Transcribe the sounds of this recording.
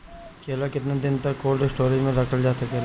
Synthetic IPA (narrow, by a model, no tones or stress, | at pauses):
kelakɪt̪ned̪ɪnt̪ɐkːoːlɖɪsʈoːɾimẽɾɐkʰəld͡ʒaːsɐkel